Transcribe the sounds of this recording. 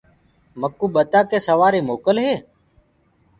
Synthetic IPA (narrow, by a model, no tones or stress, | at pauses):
məkuːɓət̪aːkeːsəʋaːɾiːmoːkəlɦeː